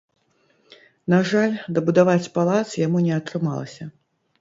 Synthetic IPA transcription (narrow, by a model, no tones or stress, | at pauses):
naʐalʲd̪ɐbud̪avat͡sʲpalˠat̪sjamunʲɛɐt̪ɾɨmalˠɐ̰sʲɐ